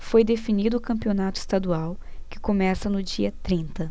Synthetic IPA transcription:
fojd̪efinid̪ʊːkɐ̃mpionat̪ʊi̥st̪ad̪uawkɪ̥komɛsɐnʊd͡ʒiɐt̪ɾĩnt̪ɐ

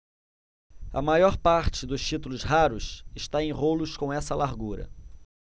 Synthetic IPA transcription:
ɐ̰majɔɾpaɾt͡ʃɪd̪ʊst͡ʃit̪ulʊsɦaɾʊsɪʃt̪aẽj̃ɦolʊskõw̃ɛsɐlaɾɡuɾɐ̰

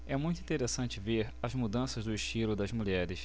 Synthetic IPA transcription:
ɛmũj̃t̪uĩt̪eɾesɐ̃nt͡ʃɪveɾɐzmud̪ɐ̃sɐzd̪ʊɪʃt͡ʃilʊd̪ɐzmuʎɛɾɪs

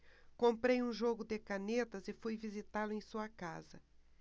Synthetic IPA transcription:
kõmpɾejũʒoɡʊd̪ɪkanet̪ɐzɪfujvizit̪alʊẽj̃suɐka̰zɐ

